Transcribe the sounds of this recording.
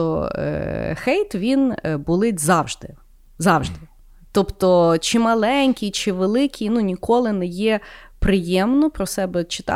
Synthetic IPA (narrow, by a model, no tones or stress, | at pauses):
ɔ̰ | xɛjt̪ʋʲinbʊlˠɪtʲzɑwʒd̪ɪ | zɑwʒd̪ɪ | t̪ɔpt̪ɔt͡ʃɪmɐlˠɛnʲkʲit͡ʃɪʋelˠɪkʲinunʲikɔlˠɪnɛjɛ | pɾɪjɛmnɔpɾɔsɛbɛt͡ʃɪ̥t̪ɑ̰